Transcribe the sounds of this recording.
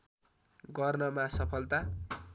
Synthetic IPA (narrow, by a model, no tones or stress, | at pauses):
ɡʌrnʌmasʌpʰʌlt̪a